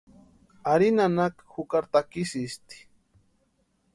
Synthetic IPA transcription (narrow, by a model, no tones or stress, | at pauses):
aɾinanakxukaɾt̪akisist̪i̥